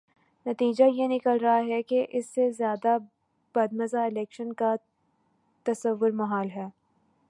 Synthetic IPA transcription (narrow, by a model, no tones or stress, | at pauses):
nɐt̪iːd͡ʒajenɪkəlɾɐɦaɦɛkeʔɪsːezjaːd̪a | b̥ɐd̪̚mɐzaɪlɛːkʃənka | t̪ɐsəʋːʊɾmɐɦaːlɦɛː